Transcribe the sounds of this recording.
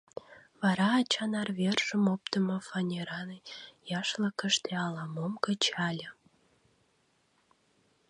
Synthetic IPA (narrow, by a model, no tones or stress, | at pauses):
βɑɾɑːt͡ɕɑnɑrβerʒəmop̚t̪əmofɑnʲeɾɑnjɑʃləkəʃt̪eɑlɑmomkət͡ɕɑlʲə